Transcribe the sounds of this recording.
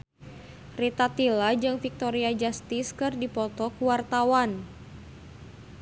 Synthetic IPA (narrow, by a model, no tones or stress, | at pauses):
rit̪at̪ilad͡ʒɨŋfik̚t̪oɾiad͡ʒast̪ɪskɨrdipɔt̪ɔkuwart̪awan